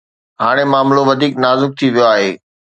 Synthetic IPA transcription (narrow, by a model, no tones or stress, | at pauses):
ɦaːɽ̃emaːmloʋɐd̪ʱiːknaːzʊk̚t̪ʰiʋijoaːɦeː